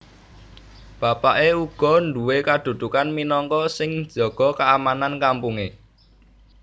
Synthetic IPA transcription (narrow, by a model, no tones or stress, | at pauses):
b̥a̤paʔeuɡ̥ɔ̤nd̪uwekad̪̥ṳd̪̥ṳkanminɔŋkɔsɪŋ̥d͡ʒ̥ɔ̤ɡ̥ɔ̤kaamanankampuŋe